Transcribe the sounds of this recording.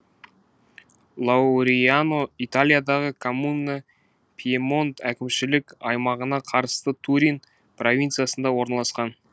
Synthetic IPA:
lˠɑwɾianoit̪alʲijad̪ɑʁəkʰomunːə | pʰʲiemo̞nt̪ʰækʲɪmʃɪlɪkʲɑjmɑʁənɑqʰɑɾəst̪ət̪ʰuɾʲin | pro̞vʲint̪sɨjasənd̪ɑwo̞ɾnɑlˠɑsqɑn

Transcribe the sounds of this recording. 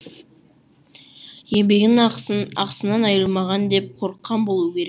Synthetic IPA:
je̞mbe̞ɡ̪ɪɑqsənɑnɑjəlˠmɑʁɑnd̪e̞p̚qʰo̞ɾəqʰːɑnbo̞lˠuəkʲʰe̞ɾek

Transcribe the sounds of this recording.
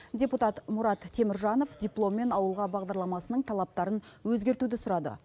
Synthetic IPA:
dʲe̞put̪ɑt̪mʊɾɑt̪ʰːe̞mɪɾʒɑno̞fdʲijplˠo̞mːe̞nɑwəlˠʁɑbɑʁd̪ɑɾlˠɑmɑsənəɴt̪ʰɑlˠɑp̚t̪ɑɾənwɵzɡʲe̞ɾt̪ud̪ɪsʊɾɑd̪ə̰

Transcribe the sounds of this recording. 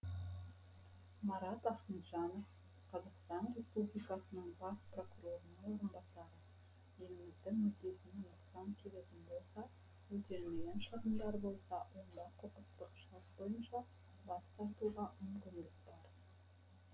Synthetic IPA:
mɑɾɑt̪ɑsənt̪ʒɑno̞f | qʰɑzɑqst̪ɑnɾe̞spublijkɑsənəɴbɑspro̞kuɾo̞ɾənɑwo̞ɾənbɑsɑɾə | je̞lɪmɪzd̪ɪŋmʏd̪e̞sɪnw̪ʊqsɑŋkʲʰe̞let̪ʲɪnbo̞lˠsɑ | wɵt̪e̞ɾmejʲenʃəʁəmd̪ɑɾbo̞lˠsɑwʔo̞nd̪ɑqʰoqət̪ːəqʃɑɾt̪bo̞jənʃɑ | bɑst̪ɑɾt̪uʁɑmʏmkʲɪnd̪ɪkbɑɾ

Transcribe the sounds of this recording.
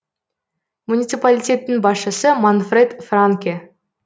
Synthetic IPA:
munʲit̪sɨpalʲitʲe̞t̪ːɪŋbɑsʃəsəmanfred̪fraŋkʲe

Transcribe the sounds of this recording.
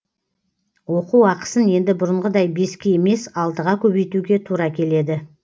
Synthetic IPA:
wo̞quɑqə̥sənje̞nd̪ɪbʊɾəɴʁəd̪ɑjbe̞skʲee̞me̞sɑlˠd̪əʁɑkʲʰɵbe̞jt̪uɡʲe̞t̪ʰuɾɑkʲʰe̞le̞d̪ɪ

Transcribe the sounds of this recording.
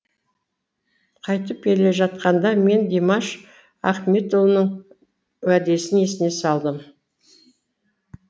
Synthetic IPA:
qʰɑjt̪əp̚kʲe̞le̞ʒɑt̪̚qɑnd̪ɑme̞nd̪ʲemɑʃ | ɑ̰qmʲet̪olˠnəɴ | wæd̪e̞sɪne̞sɪne̞sɑlˠd̪əm

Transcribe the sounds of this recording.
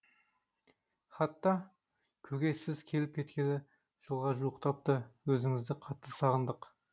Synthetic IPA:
χɑt̪ːɑ | kʲʰɵɡʲe̞sɪzkʲʰe̞lɪp̚kʲʰe̞t̪̚kʲe̞nɪ | ʒ̥əlˠʁɑʒuəqt̪ʰɑp̚t̪əwɵzɪŋɪzd̪ɪqʰɑt̪ːəsɑʁənd̪əq

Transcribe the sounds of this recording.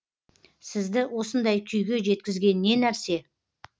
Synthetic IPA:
sɪzd̪ɪwo̞sənd̪ɑjkʲʰʏjɡʲe̞ʒe̞t̪kʲɪzɡʲe̞nɪːe̞næɾse̞

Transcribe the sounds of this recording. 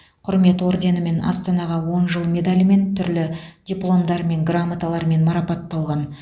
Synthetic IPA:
qʰʊɾme̞t̪wo̞ɾd̪e̞nəme̞nɑ̰st̪ɑnɑʁɑwo̞nʒəlˠme̞d̪alʲme̞nt̪ʰʏɾlɪdʲijplˠo̞md̪ɑɾme̞ŋɡramat̪alˠɑɾme̞nmɑɾɑpɑt̪ːɑlˠʁɑn

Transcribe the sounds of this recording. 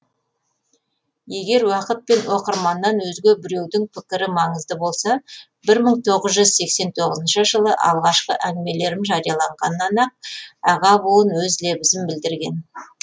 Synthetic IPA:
je̞ɡʲe̞ɾwɑqət̪̚pe̞nwo̞qəɾmɑnːɑnwɵzɡʲe̞bɪɾe̞wd̪ɪŋpʰɪkʲɪɾɪmɑɴəzd̪əbo̞lˠsɑ | bɪɾməɴt̪ʰo̞ʁəzʒʏzse̞kse̞nt̪ʰo̞ʁəzənʃəʒəlˠəʔɑ̰lˠʁɑʃqə̰ʔænɪme̞le̞ɾɪmʒɑɾijɑlˠɑɴʁɑnːɑnɑq̚ɑʁɑbuənwɵzle̞bɪzɪmbɪld̪ɪɾɡʲen

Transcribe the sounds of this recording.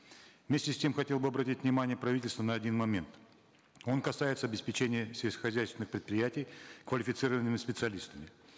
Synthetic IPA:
vmʲesʲtʲɪsʲtʲe̞mxɐtʲe̞lˠbɨɐbɾɐtʲitʲvnʲɪmanʲɪjəpɾɐvʲitʲɪlʲst̪vənəɐdʲinmɐmʲe̞nt̪ | o̞nkɐsajɪt̪səɐbʲɪspʲɪt͡ɕenʲɪjəsʲɪlʲskxɐzʲæjst̪ʲɪnɨxpɾʲɪt̪pɾʲɪjætʲɪjkvəlʲɪfʲɪt̪sɨɾəvənːɨmʲɪspʲɪt̪sɨɐlʲist̪əmʲɪ

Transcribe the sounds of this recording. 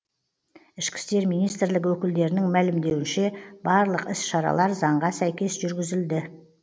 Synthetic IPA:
ɪʃkʲɪ̥st̪e̞ɾmijnijst̪ɾlɪkʲwɵkʲɪld̪e̞ɾɪnɪŋmælɪmd̪e̞wɪnʃe̞bɑɾlˠəqɪsʃɑɾɑ̰lˠɑɾzɑɴʁɑsæjkʲe̞sʒʏɾɡʲɪzɪld̪ɪ

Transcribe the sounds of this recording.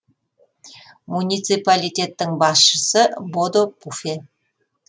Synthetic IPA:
munʲijt̪sɨpalʲijt̪ʲe̞t̪ːɪŋbɑsʃəsəbod̪opufe

